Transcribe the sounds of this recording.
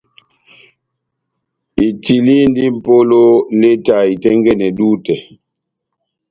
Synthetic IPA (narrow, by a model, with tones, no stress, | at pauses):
i˨ti˨li˦n˦di˦m̩˨po˦lo˦le˦ta˨i˨tɛ˦ŋɡɛ˦nɛ˨duː˦tɛ˨